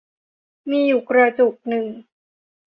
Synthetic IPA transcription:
miː˧juː˨˩kɾa˧t͡ɕu˨˩k̚nɯ˨˩ŋ

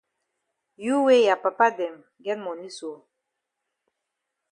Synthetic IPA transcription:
ju˦we˦ja˨pa˨pa˦dɛ˨m | ɡɛ˦t̚mɔ˨ni˦swo˨

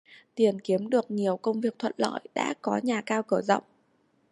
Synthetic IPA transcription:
t̪i˨˩ənki˨˦əmɗɨ˨˩ək̚ɲi˨˩əwkə˧wŋ͡mvi˨˩ək̚t̪ʰwə̰˧˨nlɔ̰ː˧˨jɗa̰ː˧˥kɔ˨˦ɲaː˨˩kaː˧wkəː˧˩zɔ̰˧˨wŋ͡mʔ

